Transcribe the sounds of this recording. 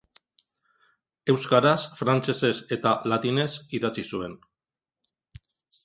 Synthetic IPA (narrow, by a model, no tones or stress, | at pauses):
e̞wskaɾasfɾant͡se̞se̞se̞t̪alat̪ine̞siðat͡sisue̞n